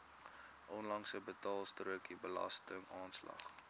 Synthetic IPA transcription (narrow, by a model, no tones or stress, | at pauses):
ʔɔnlɐŋsəbətɑːlˠstruəkibəlɐ̰stəŋɑːnslɐ̰χ